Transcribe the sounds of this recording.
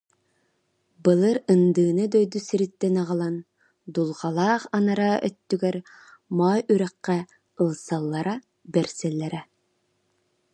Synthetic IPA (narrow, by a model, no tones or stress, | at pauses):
bɯlˠɯɾɯnd̪ɯːnɯd̪œjd̪usiɾit̪ːɛnɑʁɑlˠɑn | d̪ulˠʁɑlˠɑːqɑnɑɾaœ̰t̪ːyɡɛɾ | mɑːjyɾɛqːæ | ɯlˠsɑlˠːɑɾa | bɛɾsɛlːɛɾɛ